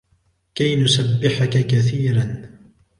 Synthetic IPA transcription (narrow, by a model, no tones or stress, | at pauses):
kajnʊsabːɪħakakaθiːɾan